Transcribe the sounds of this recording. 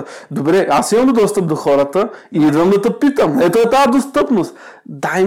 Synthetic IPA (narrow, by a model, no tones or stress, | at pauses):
d̪obɾɛasiməmod̪ɔst̪əp̚d̪oxɔɾət̪əiid̪vəmd̪ɐt̪əpit̪əmɛt̪oɛt̪aəd̪ost̪ɤpnost̪ | d̪ai